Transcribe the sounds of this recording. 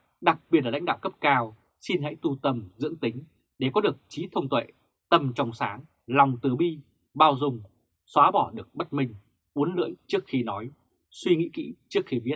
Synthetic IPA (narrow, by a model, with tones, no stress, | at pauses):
ɗa˨˩k̚ɓi˨˩t̚laː˨˩a̰˧˥ŋ̟ɗa̰ː˧˨wkə˦˥p̚kaː˧w | si˧nɦə̰˧˥jt̪u˧t̪ə˧mzɨ̰˧˥əŋt̪ï˨˦ŋ̟ | ɗe˨˩kɔ˨˦ɗɨ˨˩ək̚t͡ɕi˨˦t̪ʰə˧wŋ͡mt̪ʰwḛ˧˨ | t̪ə˨˩mt͡ɕɔ˨˧wŋ͡msaː˨˦ŋ | la˨˩wŋ͡mt̪ɨ˨˩ɓi˧ | ɓaː˧wzʊ˨˩ŋ͡m | swaː˨˦ɓɔ˧˩ɗɨ˨˩ək̚ɓə˦˥t̚mï˧ŋ̟ | ʔu˨˦ənlɨ̰˧˨əjt͡ɕɨ˦˥ək̚xi˧nɔ˨˦j | swi˧ŋḭ˧˥kḭ˧˥t͡ɕɨ˦˥ək̚xi˧vi˦˥ət̚